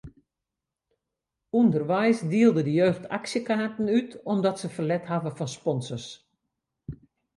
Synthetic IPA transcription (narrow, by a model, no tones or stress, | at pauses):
undərʋɛjsdiəlˠdədəjøːxtʰa̰ksjəkaːtənytɔmdɔtsəfərlɛtɦavəfɔnspɔnsərs